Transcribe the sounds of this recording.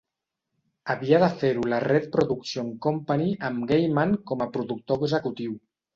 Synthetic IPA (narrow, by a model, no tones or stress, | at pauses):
aβiaðəfeɾularet̪̚pɾoðuksjoŋkompaniamɡejmaŋkɔmapɾuðuk̚t̪oɡzəkut̪iw